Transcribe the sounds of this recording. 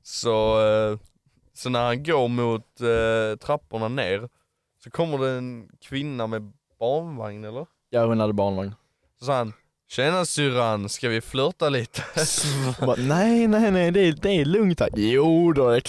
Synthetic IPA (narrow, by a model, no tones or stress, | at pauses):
sɔ | sɔnæɾhanɡoːɾmʊt̪t̪ʰːɾapːʊɳaneːɾ | sɔkʰɔmːəɖɛːnkʰvɪnːamɛ | b̥ɑːɳvaŋnɛlːəɾ | jaːhʊnhad̪ːəbɑːɳvaŋn | sɔs̬ɑːhan | ɕɛnasyɾanskavɪflœt̪aliːt̪ə̥ | hbɑnɛɪnɛɪnɛɪd̪ɛd̪ɛːlɵŋt̪ʰa̰kjuːd̪ɛd̪ɛ